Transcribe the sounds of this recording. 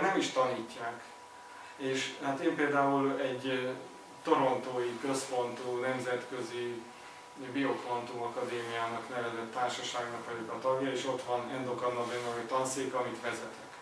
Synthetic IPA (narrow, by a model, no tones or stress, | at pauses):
nɛmiʃt̪ɒniːcːaːk | eːʃhaːt̪eːmpeːld̪aːulɛɟ | t̪o̞ɾo̞nt̪oːikøspo̞nt̪uːnɛmzɛt̪kø̞zi | biokvont̪umɒkɒd̪eːmijaːnɒknɛvɛd̪øt̪ːaːrʃɒʃaːɡnɒkʋɒɟokɒt̪ɒɡjɒeːʃo̞t̪ʋɒnɛnd̪okɒnːovinnɒmit̪ɒnt̪seːkɒmit̪ʋɛzɛt̪ɛk